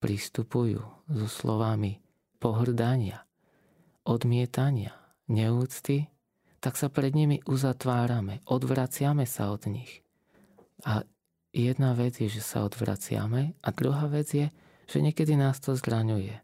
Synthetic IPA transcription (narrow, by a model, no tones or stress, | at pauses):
pɾist̪upujṵːzɔslɔʋami | pɔɦr̩d̪aɲɪa | ʔɔd̪mɪɛt̪aɲɪa | ɲɛuːt͡st̪i | t̪aksapɾɛd̪ɲimiʔuzat̪ʋaːɾamɛʔɔd̪ʋɾat͡sɪamɛsaɔd̪ɲix | a | jɛd̪naʋɛd͡zjɛʒɛsa̰ɔd̪ʋɾa̰t͡sɪa̰mɛʔad̪ɾuɦaːʋɛd͡zjɛ | ʒ̥ɛɲɪɛkɛd̪inaːst̪ɔzɾaɲujɛ